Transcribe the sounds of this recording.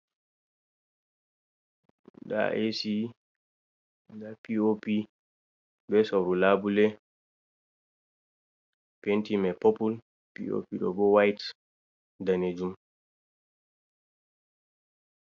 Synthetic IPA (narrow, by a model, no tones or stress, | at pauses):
da̰ʔesi | dapiopi | bɛsɔɾulabulɛ | pentimɛpopul | pḭo̰piɗɔ̰bɔwajt | daned͡ʒum